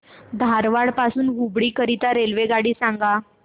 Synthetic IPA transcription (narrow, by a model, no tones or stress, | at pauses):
d̪ʱaɾʋaɽpasuːnɡubɽiːkəɾit̪aɾelʋeɡaɽiːsãŋɡa